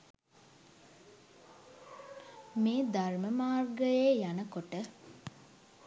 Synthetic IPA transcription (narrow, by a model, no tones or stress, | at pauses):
meːd̪arməmaːrɡəjeːjanəkoʈə